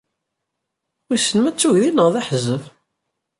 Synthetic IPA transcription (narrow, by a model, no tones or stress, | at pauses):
isənmæt͡sːuʝðinəʁðaħzːəv